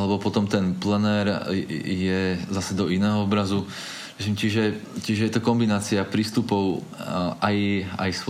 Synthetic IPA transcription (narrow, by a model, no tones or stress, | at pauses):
lɛbɔpɔt̪ɔmt̪ɛnplɛnɛːɾjɛzasɛd̪ɔinɛːɦɔɔbɾazu | ɛt͡ʃimt͡ʃiʒɛt͡ʃiʒɛjɛt̪ɔkɔmbinaːt͡siapɾiːst̪upɔʊ | aja̰js